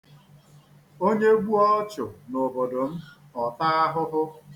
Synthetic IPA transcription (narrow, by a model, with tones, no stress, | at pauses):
o˦ɲe˦ɡʷu˦ɔ˦t͡ʃʊ˨nʊ˨bo˨dʊ˨m̩˦ | ɔ˨ta˦a˦ɦʊ˦ɦʊ˦